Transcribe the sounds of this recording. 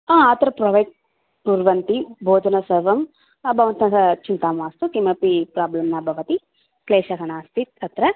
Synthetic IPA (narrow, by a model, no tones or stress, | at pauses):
aːɐt̪ɾɐpɾɐːʋɐjʈ | puːɾʋɐnt̪ibʱoːd̪ʱɐnɐsɐɾʋɐm | ɐbʱɐʋɐnt̪ɐnt̪ɐt͡ʃint̪aːmʋaːst̪ukimɐpipɾaːblɐmnɐbʱɐʋɐt̪i | kleːʃɐkɐɳaːst̪it̪ʰɐt̪ɾɐ